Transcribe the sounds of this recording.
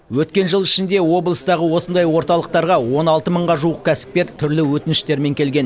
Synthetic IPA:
wɵt̪kʲe̞nʒəlˠɪʃɪnd̪e̞wo̞blˠəst̪ɑʁəwo̞sənd̪ɑjwo̞ɾt̪ɑlˠəq̚t̪ɑɾʁɑwo̞nɑlˠt̪əməɴʁɑʒuəqkʲʰæsɪ̥p̚kʲe̞ɾt̪ʰʏɾlɪwɵt̪ɪnɪʃt̪e̞ɾme̞ŋkʲʰe̞lɡʲe̞n

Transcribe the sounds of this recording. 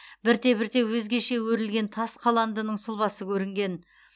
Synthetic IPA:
bɪɾt̪e̞bɪɾt̪e̞wɵzɡʲe̞ʃe̞wɵɾɪlɡʲe̞nt̪ʰɑsqʰɑlˠɑnd̪ənəɴsʊlˠbɑsəkʲʰɵɾɪŋɡʲe̞n

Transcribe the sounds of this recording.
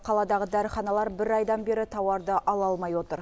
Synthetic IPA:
qʰɑlˠɑd̪ɑʁəd̪æɾəχɑnɑlˠɑɾbɪɾɑjd̪ɑnbe̞ɾɪt̪ʰɑwɑɾd̪əʔɑlˠɑlˠmɑjwo̞t̪əɾ

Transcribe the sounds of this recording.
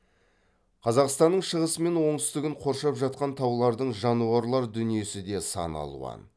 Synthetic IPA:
qʰɑzɑqst̪ɑnːəɴʃəʁəsəme̞nwo̞ɴt̪ʏst̪ɪɡʲɪɴqʰo̞ɾʃɑpʒɑt̪̚qɑnt̪ʰɑwlˠɑɾd̪əɴʒɑnuɑɾlˠɑɾd̪ʏnije̞sɪd̪e̞sɑ̰nɑ̰lˠṵʁɑ̰n

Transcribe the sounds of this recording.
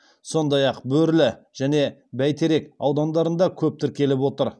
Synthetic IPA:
so̞nd̪ɑjɑqbɵɾlɪ | ʒ̥æne̞bæjt̪ʰe̞ɾe̞kɑ̰wd̪ɑnd̪ɑɾənd̪ɑkʲʰɵp̚t̪ɪɾkʲʰe̞lɪpwo̞t̪əɾ

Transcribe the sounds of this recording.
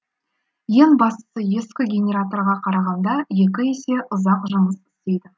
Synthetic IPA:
je̞ŋbɑst̪ə̥səje̞skʲɪɡʲenʲe̞ɾat̪o̞rʁɑqʰɑɾɑʁɑnd̪ɑje̞k̬ʲɪe̞se̞ʔʊzɑqʒəməsɪ̥st̪e̞jd̪ɪ

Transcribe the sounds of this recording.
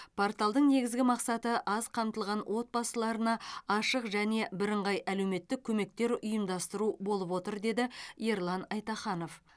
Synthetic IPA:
pʰo̞rt̪alˠd̪əɴne̞ɡʲɪzɡʲɪmɑqsɑt̪əʔɑzqʰɑmt̪əlˠʁɑnwʔo̞t̪̚bɑsəlˠɑɾənɑɑʃəqʒæne̞bɪɾəɴʁɑjʔæle̞wme̞t̪ːɪkʲʰɵme̞k̚t̪e̞ɾʊjəmd̪ɑst̪əɾubo̞lˠəpwo̞t̪əɾd̪e̞d̪ɪjeɾlˠɑnɑjt̪ɑχɑno̞f

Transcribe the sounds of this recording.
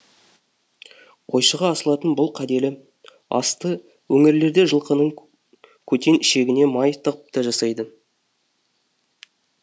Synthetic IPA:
qʰo̞jʃəʁɑːsəlˠɑt̪ənbʊlˠqʰæd̪e̞lɪ | ɑ̰st̪ə | wɵŋɪɾle̞ɾd̪e̞ʒəlˠqənəɴ | kʲʰɵt̪e̞nɪʃe̞ɡʲɪne̞mɑjt̪ʰəʁəp̚t̪ɑʒɑsɑjd̪ə

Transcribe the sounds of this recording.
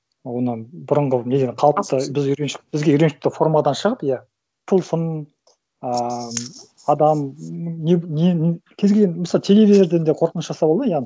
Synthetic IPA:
wo̞nəbʊɾəɴʁəned̪enqʰɑlˠəp̚t̪əbɪzʏɾenʃb̥ɪzɡʲe̞ʏɾenʃɪ̥k̚t̪ɪfo̞rmad̪ɑnʃəʁəpja | t̪ʰəlˠsən | ə | ɑd̪ɑmnenenkʲʰezɡʲelʲɡʲenməsɑlˠt̪ʰe̞le̞vʲizeɾd̪end̪eqʰo̞ɾqənəsʒɑsɑbɑlˠd̪əjɑʁn

